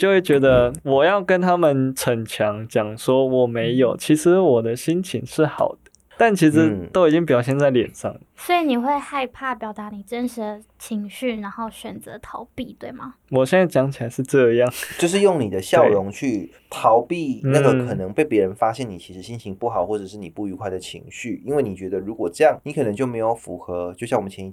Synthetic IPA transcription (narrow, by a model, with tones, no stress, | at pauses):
t͡ɕjo˥˧ʊxwe˥˩ɪt͡ɕɥɛ˧˥d̪ə˧wɔ˨˩jɑ˥˩ʊkə˥nt̪ʰa˥mə˨nʈ͡ʂʰə˨˩ŋt͡ɕʰjɑ˧˥ŋt͡ɕjɑ˨˩ŋʂwɔ˥wɔ˨˩me˧˥ɪjo˨˩ʊt͡ɕʰi˧˥ʂɻ̩˧˥wɔ˨˩d̪ə˦ɕi˥nt͡ɕʰi˧˥ŋʂɻ̩˥˩xɑ̰˨˩ʊd̪̥ə̥˦t̪a˥˩nt͡ɕʰi˧˥ʂ̬ɻ̩˧˥t̪o˥ʊi˨˩t͡ɕi˥ŋp̬jɑ˨˩ʊɕjɛ˥˧nt͡sa˥˩ɪljɛ̰˨˩nʂɑ̰˥˩ŋə˨swɔ˧˥i˧˥ni˨˩xwe˥˧ɪxa˥˧ɪpʰa˥˩pjɑ˨˩ʊt̪a˧˥ni˨˩ʈ͡ʂə˥nʂɻ̩˧˥d̪ə˧t͡ɕʰi˧˥ŋɕy˥˩na˧˥ŋxo˥˩ʊɕɥɛ˨˩nt͡sɤ˧˥t̪ʰɑ˧˥ʊpi˥˧t̪we˥˩ɪmɐ˩ | wɔ˨˩ɕjɛ˥˧nt͡sa˥˩ɪt͡ɕjɑ˧˥ŋt͡ɕʰi˨˩a˧˥ɪʂɻ̩˥˧ʈ͡ʂɤ˥˧jɑ˥˩ŋt͡ɕjo˥˧ʊʂɻ̩˥˧jʊ˥˩ŋni˨˩d̪ə˦ɕjɑ˥˩ʊ˧ɻʊ˧˥ŋt͡ɕʰy˥˩ | t̪ʰɑ˧˥ʊpi˥˧na˥˩ɡə˨kʰɤ˨˩nɤ˧˦ŋpe˥˩ɪpjɛ˧˥ɻə˧˦nfa˥ɕjɛ˥˩ni˨˩t͡ɕʰi˧˥ʂɻ̩˧˥ɕi˥nt͡ɕʰi˧˥ŋpu˥˩xɑ˨˩ʊxwɔ˥˩ʈ͡ʂɤ˨˩ʂɻ̩˥˩ni˨˩pu˥˩y˧˥kʰwa˥˩ɪd̪ə˩t͡ɕʰḭ˧˥ŋɕy˥˩i˥nwe˥˩ni˨˩t͡ɕɥɛ˧˥d̪ə˧ɻu˧˥kwɔ˨˩ʈ͡ʂɤ˥˧jɑ˥˩ŋni˧˥kʰɤ˨˩nɤ˧˥ŋt͡ɕjo˥˩me˧˥ɪjo˨˩ʊfṵ˧˥xɤ˧˦t͡ɕjo˥˧ʊɕjɑ˥˩ŋwmə˦nt͡ɕʰɛ˧˥ni˧˩